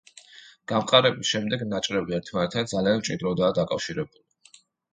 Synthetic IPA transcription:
ɡ̥amqʼaɾɛbisʃɛmd̪ɛɡnat͡ʃʼɾɛbiɛɾt̪ʰmanɛt̪ʰad̪zaliant͡ʃʼid̪ɾɔd̪aːd̪akʼafʃiɾɛbuli

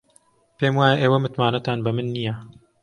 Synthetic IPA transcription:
peːmwaːjɛʔeːwɐmɨt̪maːnɐt̪aːnbɐmɨnːijɛ

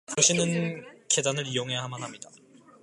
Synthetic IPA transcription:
koɕʰinɯnke̞danɯɾijoŋɦe̞jaɦamanɦamɲida

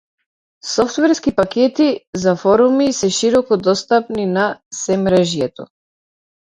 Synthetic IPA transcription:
sɔft̪vɛɾskipakʲɛt̪izafɔɾumisɛʃiɾɔkɔd̪ɔst̪apninasɛmɾɛʒjɛt̪ɔ

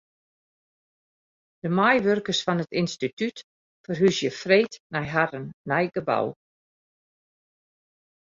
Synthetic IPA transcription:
d̥əmajʋørkərsfɔnətinstityt | fərɦysjəfreːtnɛjɦaɾənːɛjɡəba̰w

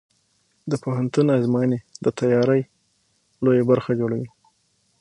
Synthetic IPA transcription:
d̪əpoɦant̪unazmɑjəned̪ət̪ajɑɾəj | lojabaɾxad͡ʒoɽawi

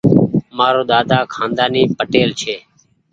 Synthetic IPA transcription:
maːɾoːɗ̪aːd̪aːkʰãːnd̪aːniːpəʈeːlt͡ʃʰeː

